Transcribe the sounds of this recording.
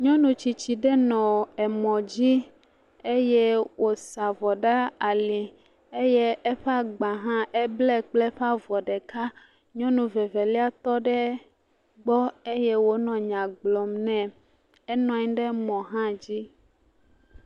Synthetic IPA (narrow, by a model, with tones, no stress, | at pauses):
ɲɔ̃˦nũ˨t͡ɕi˨t͡ɕi˨ɖɛ˦nɔ̃˨ɛ˨mɔ̃˨d͡ʑi˦ | e˦je˦wo˨sa˨vɔ˨ɖa˦a˨li˨ | e˦je˦ɛ˦ɸɛ˦a˦ɡ͡ba˨ɦã˦ʔɛ˦blɛ˦k͡ple˦ɸa˦vɔ˨ɖɛ˨ka˦ | ɲɔ̃˦nũ˨ve˨ve˨li˦a˦t̪ɔ˦ɖɛ˦ | ɡ͡bɔ˦e˦je˦wo˦nɔ̃˨ɲã˨ɡ͡blɔ˨mnɛ̃˨ | ɛ˦nɔ̃˨ɛ̃˦ɖɛ˦mɔ̃˨ɦã˦d͡ʑi˦